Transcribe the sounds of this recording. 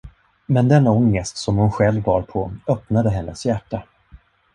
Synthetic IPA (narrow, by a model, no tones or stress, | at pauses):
mɛnd̪ɛnɔŋːəst̪sɔmhʊnɧɛlvːɑːɾpʰɔœpnad̪əɦɛnːə̰sjæʈːa